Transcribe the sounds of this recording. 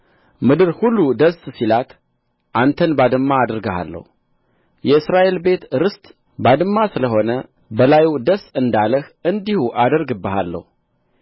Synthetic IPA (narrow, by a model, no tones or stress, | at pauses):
mɨd̪ɨɾhulːud̪əssilat̪ | ʔant̪ʰənbad̪ɨmːaːd̪ɨɾɡəha̰lːə̰hu | jɛɨsɾaʔe̞lbe̞t̪ɾɨst̪ | bad̪ɨmːasɨləɦo̞nə | bəlajud̪əsɨnd̪aləhɨnd̪ihuʔad̪əɾɡɨbːəha̰lːə̰hu